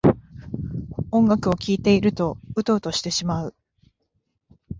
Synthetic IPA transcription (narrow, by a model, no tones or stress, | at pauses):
õ̞ŋɡakɯ̟o̞kʲiːt̪e̞iɾɯ̟t̪o̞ɯ̟t̪o̞ːt̪o̞ɕi̥t̪e̞ɕimaɯ̟